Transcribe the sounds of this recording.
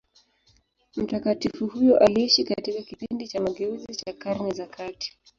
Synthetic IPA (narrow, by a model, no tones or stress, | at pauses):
m̩takatifuhujɔʔaliiʃikatikakipindit͡ʃamaɡɛuzit͡ʃakaɾnɛzakʰati̥